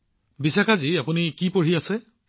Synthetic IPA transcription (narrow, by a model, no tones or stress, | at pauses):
bisakʰaziapunikipoɹiasɛ